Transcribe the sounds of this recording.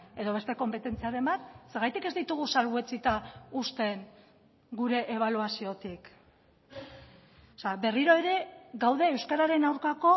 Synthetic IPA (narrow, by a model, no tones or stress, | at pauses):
e̞ðo̞β̞e̞st̪eko̞mpe̞t̪e̞nt͡siaɾe̞mbat̪̚se̞ɾɣajt̪ike̞zd̪it̪uɣ̞usalβue̞t͡sit̪aust̪e̞ŋ | ɡuɾe̞ʔeβ̞aluasio̞t̪ik | oseabe̞riɾo̞e̞ɾe̞ɡawðe̞ːwskaɾaɾe̞nawɾkako̞